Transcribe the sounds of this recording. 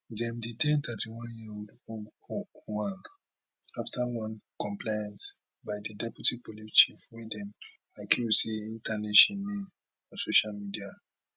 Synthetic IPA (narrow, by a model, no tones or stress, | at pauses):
dɛ̃mditɛ̃ntʰatiwɔ̃njiodo | wãn | aftʰawãnkɔ̃mplajãnt | baɪdidɛputipolit͡ʃifwɛdɛ̃m | akuoseĩntaneʃɔ̃nmĩn | ɔ̃soʃalmidia